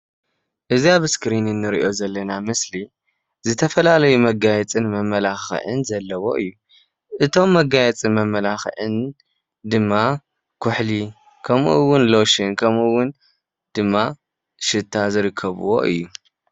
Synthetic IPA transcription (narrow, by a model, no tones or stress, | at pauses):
ʔɨziaβɨskɾinɨnːɨɾḭʔo̞zɐlːɐnamɨsli | zɨt̪ʰɐfɐlalɐjumɐɡajɛt͡sʼɨnmɐmːɐlaxʕɨ̰nzɐlːɐwo̞ʔɨjːu | ʔɨt̪ʰo̞mːɐɡajɛt͡sʼɨnmɐmːɐlaxʕɨn | d̪ɨmːa | kʰʊħli | kʰɐmʔɨwʊnlo̞ʃɨnkʰɐmʔɨwːʊn | d̪̥ɨmːa | ʃɨt̪ʰːazɨɾɨkʰːɐβɨ̰wo̞̰ʔɨ̰jːu